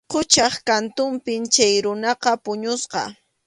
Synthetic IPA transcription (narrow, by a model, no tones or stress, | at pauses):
qʊt͡ʃɑχkant̪ʊmpɪmt͡ʃajɾʊnɑqɑpʊɲʊsqɑ̰